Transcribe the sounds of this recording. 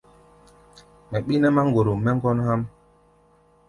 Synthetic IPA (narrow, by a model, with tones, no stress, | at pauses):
mɛ˨ɓi˦nɛ˦ma˦ŋ˨ɡo˨ɾo˨mɛ˦ŋ̩˦ɡɔ˦nha˦m